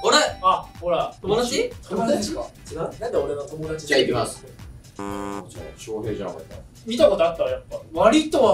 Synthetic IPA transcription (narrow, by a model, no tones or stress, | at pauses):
hoɾeahoɾat̪omod̪aɕit̪ʰomd̪aka | anãnd̪eoɾeβat̪o̞mod̪at͡ɕid͡ʑaikʲimase | d͡ʑa̰ɕoːheːʑã̰ma̰t̪ːa̰ | mʲit̪ako̞t̪oat̪ːajapːaβaɾʲit̪oβa